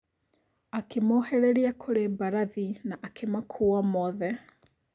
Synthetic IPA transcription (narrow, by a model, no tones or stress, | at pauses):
akemoːhɛɾeɾiakʰoɾebaɾaðinaʔakʰemakʰuːamɔðɛ